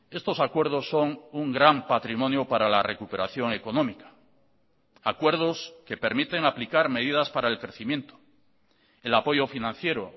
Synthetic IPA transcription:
e̞st̪o̞sakwe̞ɾð̞o̞sːo̞ŋuŋɡɾampat̪ɾimõ̞njopaɾalare̞kupe̞ɾaθjo̞ŋe̞ko̞nõmikḁ | akwe̞ɾð̞o̞ske̞pe̞ɾmit̪e̞ŋaplikaɾme̞ðiðaspaɾaelkɾe̞θimje̞nt̪o̥ | elapo̞ʝofinãn̟θje̞ɾo

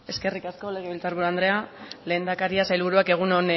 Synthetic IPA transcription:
e̞ske̞rikasko̞le̞ɣeβilt͡saɾβuɾuand̪ɾe̞ale̞ːnd̪akaɾiasajlβuɾuake̞ɣ̞unon

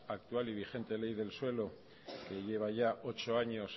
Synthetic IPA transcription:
ak̚t̪ualiβ̞ixe̞nt̪e̞le̞jðe̞lswe̞lo̞ | ke̞ʝe̞β̞aʝao̞t͡ʃo̞aɲo̞s

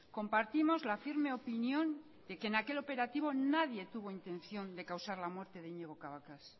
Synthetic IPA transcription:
ko̞mpaɾt̪imo̞zlafiɾme̞o̞pinjõ̞n | d̪̥e̞kenake̞lo̞pe̞ɾat̪iβ̞o̞naðje̞t̪uβ̞o̞int̪ẽ̞nθjo̞nd̪e̞kawsaɾlamwe̞ɾt̪e̞ðeiɲe̞ɣ̞o̞kaβakas

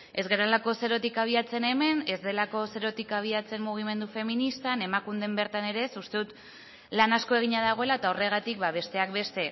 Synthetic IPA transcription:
e̞zɣe̞ɾolako̞se̞ɾo̞t̪ikaβ̞iat͡se̞ne̞me̞ne̞zd̪e̞lako̞se̞ɾo̞t̪ikaβ̞iat͡se̞mːuɣ̞ime̞nd̪ufe̞minist̪ane̞makund̪e̞mbe̞ɾt̪ane̞ɾe̞sust̪e̞ðut̪ | lanasko̞e̞ɣ̞iɲað̞aɣ̞o̞e̞laet̪aore̞ɣ̞at̪ik̚baβ̞e̞st̪e̞ak̚be̞st̪e̞

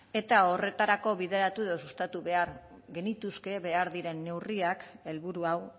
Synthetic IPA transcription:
e̞t̪ao̞re̞t̪aɾako̞βiðe̞ɾat̪uðosust̪at̪uβe̞aɾɣe̞nit̪uske̞βe̞aɾðiɾe̞nːe̞wriake̞lβuɾuaw

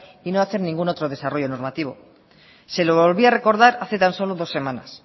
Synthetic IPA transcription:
ino̞aθe̞ɾnĩŋɡuno̞t̪ɾo̞ð̞e̞saro̞ʝo̞no̞ɾmat̪iβ̞o̞̰ | se̞loβolβiare̞ko̞ɾð̞aɾaθe̞t̪anso̞lo̞ðo̞sːe̞mana̰s

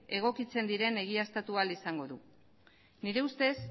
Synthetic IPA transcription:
e̞ɣ̞o̞kit͡se̞nd̪iɾe̞ne̞ɣ̞iast̪at̪ualisaŋɡo̞ðu | niɾe̞ust̪e̞s

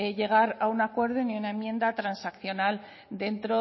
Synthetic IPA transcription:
eʎe̞ɣ̞aɾaunakwe̞ɾðoniunaemːjẽ̞nd̪at̪ɾansakθjo̞nal | d̪e̞nt̪ɾo

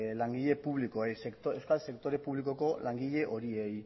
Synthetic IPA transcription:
laŋɡiʎe̞puβlikoe̞jsekt̪oewskalse̞kt̪o̞ɾe̞puβliko̞ko̞laŋɡiʎe̞ʔo̞ɾie̞j

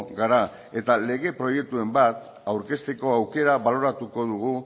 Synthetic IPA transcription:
ɣaɾa | e̞t̪ale̞ɣe̞pɾo̞je̞k̚t̪ue̞mbat̪ | awɾke̞st̪e̞ko̞awke̞ɾaβalo̞ɾat̪uko̞ðuɣ̞u

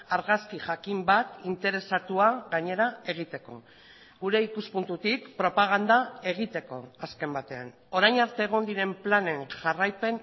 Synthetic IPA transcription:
aɾɣaskiʝakimbat̪int̪e̞ɾe̞sat̪uaɣaɲe̞ɾae̞ɣ̞it̪e̞ko̞̰ | ɣuɾe̞ikuspunt̪ut̪ikpɾo̞paɣ̞and̪ae̞ɣ̞it̪e̞ko̞aske̞mbat̪e̞a̰n | o̞ɾajnaɾt̪e̞ːɣ̞o̞nd̪iɾe̞mplane̞nʝarajpe̞n

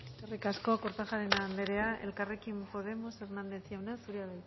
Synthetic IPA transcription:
erikasko̞koɾt̪axaɾenand̪eɾe̞aʔe̞̰lkare̞kimpo̞ð̞e̞mo̞se̞rnand̪e̞θjawnasuɾiaβel

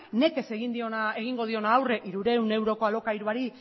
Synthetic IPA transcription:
ne̞ke̞se̞ɣind̪io̞nae̞ɣ̞iŋɡo̞ð̞io̞naːwre̞ʔiɾuɾe̞wne̞wɾo̞ko̞alo̞kaiɾuaɾi

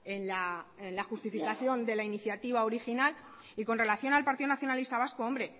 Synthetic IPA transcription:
enlaenlaxust̪ifikaθjo̞nd̪e̞lainiθjat̪iβ̞ao̞ɾixinal | iko̞nre̞laθjo̞nalpaɾt̪iðo̞naθjo̞nalist̪aβ̞askoo̞mbɾe̞

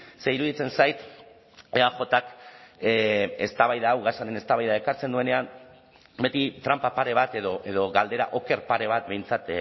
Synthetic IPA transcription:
se̞iɾuðit͡se̞nsajt̪ | eaxo̞t̪ak | e̞st̪aβajðaːwɣasaɾe̞ne̞st̪aβajðae̞kaɾt͡se̞nd̪ue̞ne̞am | be̞t̪it̪ɾampapaɾe̞β̞at̪e̞ðoʔeðo̞ɣald̪e̞ɾaʔo̞ke̞ɾpaɾe̞β̞at̪̚be̞jnt͡sat̪

